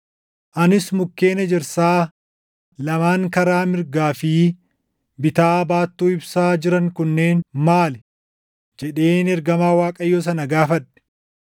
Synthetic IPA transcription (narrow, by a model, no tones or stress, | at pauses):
ʔɐnɪsmʊkːe̞ːnɐd͡ʒɪɾsaː | lɐmaːŋkɐɾaːmɪɾɡaːfi | bɪt̪aːbaːt̪ːuːɪbsaːd͡ʒɪɾɐŋkʊnːe̞ːnmaːlɛ | d͡ʒɛᶑe̞ːnɛɾɡɐmaːwaːkʼɐjːoːs̬ɐnɐɡaːfɐɗɛ̥